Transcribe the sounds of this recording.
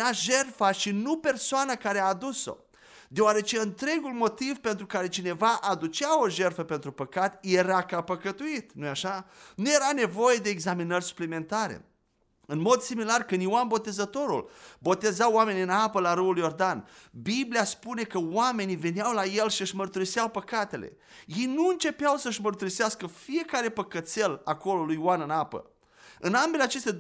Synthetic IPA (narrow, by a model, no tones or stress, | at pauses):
aʒe̞rfaʃinupe̞rsoanakaɾeaːd̪uso̰ | d̪eoaɾe̞t͡ʃe̞ɨnt̪ɾe̞ɡulmo̞t̪ivpe̞nt̪ɾukaɾe̞t͡ʃine̞vaʔad̪ut͡ʃao̞ʒe̞rfəpe̞nt̪ɾupəkat̪je̞ɾakapəkət̪uit̪nujaʃanuje̞ɾane̞vo̞je̞d̪e̞ːɡzaminərʲsu̥plime̞nt̪aɾḛ | ɨnmo̞d̪similarkɨnd̪iwanbo̞t̪e̞zət̪o̞ɾṵlbo̞t̪e̞zawame̞niɨnapəlaɾɨuljo̞rd̪anbibliaspune̞kəwame̞nive̞nawlaje̞lʃiɨʃmərt̪uɾisawpəkat̪e̞lḛ | je̞jnuɨnt͡ʃe̞peawsəɨʃmərt̪uɾiseaskəfije̞kaɾe̞pəkət̪se̞lako̞lo̞lujwanɨnapə̰ | ɨnambe̞leat͡ʃe̞st̪e